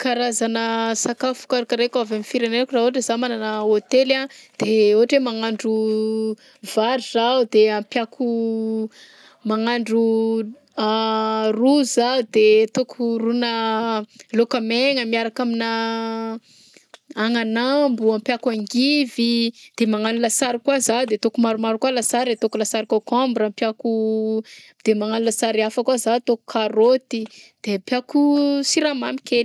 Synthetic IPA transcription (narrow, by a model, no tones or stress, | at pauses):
kaɾazanəsakafu̥kaɾakəɾekavamifiɾenenakurauaʈ͡ʂezamananəot̪elad̪̥eoɦaʈ͡ʂemaŋaɳɖ͡ʐu | vaɾizaud̪eãmpjakʰu | maŋaɳɖ͡ʐu | aruzaud̪et̪okʰurunə | lokəmeŋəmiaɾakamina | aŋanambuampjakaŋɡivid̪̥emaŋanulasaɾikwazad̪et̪okumaɾumaɾukwalasaɾd̪et̪okulasaɾikakambɾampjaku | d̪̥emaŋanulasaɾiafəkwazat̪oku̥kʰaɾot̪id̪̥epjakusiɾamami̥kel